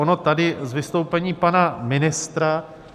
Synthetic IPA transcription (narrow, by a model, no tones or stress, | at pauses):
ono̞t̪adɪzvɪst̪o̞wpɛɲiːpanamɪnɪst̪ɾa